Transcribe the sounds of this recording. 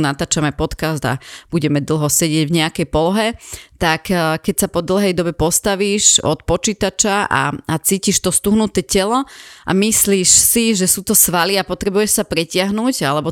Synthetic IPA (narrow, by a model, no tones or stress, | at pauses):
nat̪aːt͡ʃamɛpɔt̪kazd̪a̰buɟɛmɛd̪l̩ˠɦɔsɛɟɪɛɟvɲɛakɛjpɔlɔɦɛt̪akkːɛcsapɔd̪l̩ˠɦɛjd̪ɔbɛpɔst̪aʋiːʃɔ̰t̪pɔt͡ʃiːt̪at͡ʃaʔa̰at͡siːciʃt̪ɔst̪uɦnut̪ɛːcɛlɔʔa̰misliːʃsiʒɛsuːt̪ɔsʋaliapɔt̪ɾɛbujɛʃsapɾɛcɪaɦnuːɟalɛbɔ